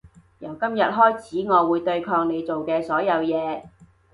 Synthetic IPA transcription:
jɐ˨˩wkɐ˥mjɐ˨t̚ɦɔː˥jt͡sʰiː˨˥ŋɔː˨˧wuː˨˧jt̪ɵ˧ɥkʰɔː˧ŋne˨˧jt͡so˨wkɛː˧sɔː˨˥jɐ˨˧wjɛː˨˧

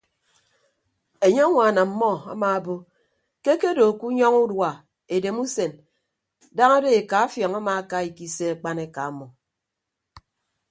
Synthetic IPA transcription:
e˨ɲe˦a˦ŋʷa˨na˨m̩˦mɔ˦a̰˦maː˨bo˦ | ke˦ke˦do˨ku˦ɲɔ˦ŋu˦dwa˨ | e˨de˨mu˦se˨n | da˦ŋa˦de˦e˨ka˨a˦fjɔ˨ŋa˦ma˨a˦ka˦i˨ki˦se˦a˨k͡pa˦ne˦ka˨a˦mɔ˨

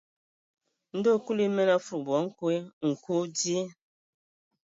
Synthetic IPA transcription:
n̩˦do˦˨ku˦li˦mɛ˦na˦fu˨bɔ˨˦ŋ̩˦kwe˦ŋ̩˨ku˦di˦

